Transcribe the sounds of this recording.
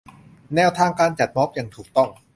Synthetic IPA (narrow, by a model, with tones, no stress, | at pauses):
nɛː˧˩wt̪ʰaː˧ŋkaː˧nt͡ɕa˨˩t̪̚mɔ˦˥p̚ja˨˩ŋt̪ʰuː˨˩k̚t̪ɔ˥˩ŋ